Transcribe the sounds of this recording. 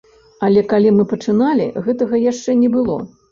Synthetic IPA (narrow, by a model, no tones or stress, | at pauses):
ɐlʲɛkalʲimɨpɐt͡ʂɨnalʲḭɣɛt̪ɐɣɐjaʂt͡ʂɛnʲɛbɨlˠɔ̰